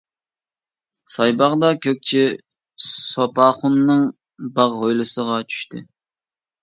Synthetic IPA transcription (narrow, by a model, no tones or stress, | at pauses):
sɑjbɑʁd̪ɑkʲʰøk̚ʲt͡ʃʰi | sopɑːχunːɨŋ | bɑʁɦojlˠɨsəʁɑt͡ʃʰy̥ʃt̪ɪ̰